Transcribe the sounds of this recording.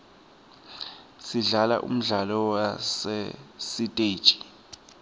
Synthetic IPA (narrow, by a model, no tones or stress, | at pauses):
siɮala̰ʔṵm̩ɮalɔwasɛsitʼe̥ːt͡ʃʼi̥